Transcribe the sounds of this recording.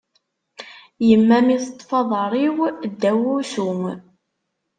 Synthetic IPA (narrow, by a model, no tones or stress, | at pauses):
jəmːæmiθə̥t̪ːˤfɑðˤəɾˤiwd̪ːæwusum